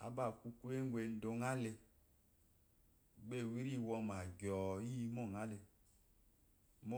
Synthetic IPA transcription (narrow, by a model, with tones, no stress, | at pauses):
a̰˨ba˨ku˧ku˦e˦ŋʷ˦e˧n̩˦do˧ŋa˦le˧ | ɡ͡be˦˨wi˦ɾi˦˨wɔ˧ma˨ɡʲɔ˨ji˦˧mɔ˦˨ŋa˦le˧ | mo˦